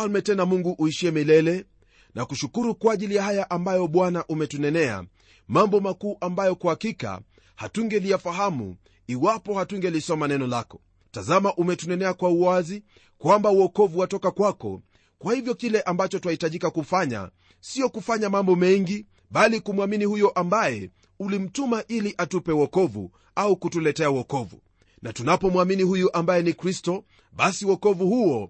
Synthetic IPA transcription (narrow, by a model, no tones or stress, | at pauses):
falmɛtɛnamuŋɡuʔuiʃiɛmilɛlɛ | nʔakuʃukuɾukwaːʄilijahajaʔambajɔɓwanaʔumɛtunɛnɛa̰ | mambɔmakuːʔambajɔkuhakika̰ | hatuŋɡɛlijafaɦamṵ | iwapɔhatuŋɡɛlisɔmanɛnɔlakɔ̥ | tazamaʔumɛtunɛnɛakwauazi | kwambauɔkɔvuwatɔkakwakɔ̰ | kwahivjɔkilɛʔambat͡ʃɔtuahitaʄikakufaɲa̰ | siɔkufaɲamambɔmɛŋɡi | ɓalikumwaminihujɔʔambajɛ | ulim̩tumaʔiliʔatupɛwɔkɔvṵ | aukutulɛtɛauwɔkɔvṵ | natunapɔmwaminihujuʔambajɛnikɾistɔ | ɓasiwɔkɔvuhuɔ